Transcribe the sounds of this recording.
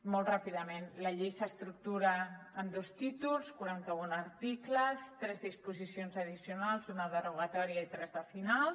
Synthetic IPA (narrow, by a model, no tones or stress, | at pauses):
mɔlˠt̪rapiðəmenləʎejsəst̪ɾuk̚t̪uɾəːmd̪ost̪it̪ulˠskuɾant̪əunəɾt̪ikləst̪ɾɛzðispuzisionzəðisiunalˠzunəðəruɣat̪ɔɾiait̪ɾɛzðəfinalˠ